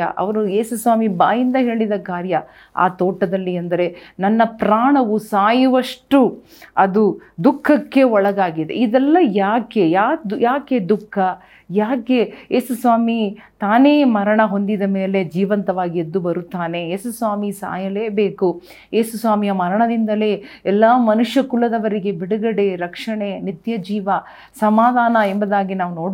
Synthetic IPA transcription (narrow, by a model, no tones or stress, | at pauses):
ɐʔɐ̰ʋɐɾue̞ːsusʋaːmibaːjind̪ɐɦe̞ːɭid̪ɐkaːɾjɐ | a̰ːt̪oːʈːɐd̪ɐlːiɐnd̪ɐɾe̞nɐnːɐpɾaːɳɐʋusaːjuʋɐʂʈu | ɐd̪ud̪ukʰːɐkːe̞ɔɭɐɡaːɡid̪ḛid̪ɛlːɐjaːke̞jaːujaːke̞d̪ukʰːɐ | jaːke̞eːsusʋaːmit̪aːne̞ːmɐɾɐɳɐɦo̞nd̪id̪ɐme̞ːle̞d͡ʒiːʋɐnt̪ɐʋaːɡied̪ːubɐɾut̪ːaːne̞eːsusʋaːmisa̰ːjɐle̞ːbe̞ːku | eːsusʋaːmijɐmɐɾɐɳɐd̪ind̪ɐle̞ːɛlːaːmɐnuʂjɐkulɐd̪ɐʋɐɾiɡe̞biɽuɡɐɽe̞ɾɐkʂɐɳe̞nit̪jɐd͡ʒiːʋɐ | sɐmaːd̪ʱaːnɐɛmbɐd̪aːɡinaːʋuno̞ːɽ